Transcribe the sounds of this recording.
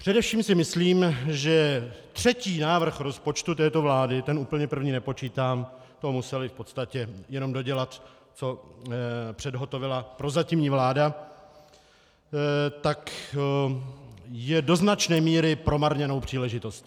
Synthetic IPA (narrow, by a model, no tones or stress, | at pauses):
pr̥ɛdɛfʃiːmsɪmɪsliːmʒɛt̪r̝̥ɛciːnaːvr̩xɾo̞spo̞t͡ʃt̪ut̪ɛːt̪o̞vlaːdɪt̪ɛnuːpl̩ɲɛpr̩vɲiːnɛpo̞t͡ʃiːt̪aːm | t̪oɦomusɛlɪfpo̞t̪st̪acɛjɛno̞mdo̞ɟɛlat̪ | t͡so̞ | pr̥ɛdɦo̞t̪o̞vɪlapɾo̞zacɪmɲiːvlaːda | t̪ak | jɛdo̞znat͡ʃnɛːmiːɾɪpɾo̞maɾɲɛno̞wpr̥iːlɛʒɪt̪o̞sc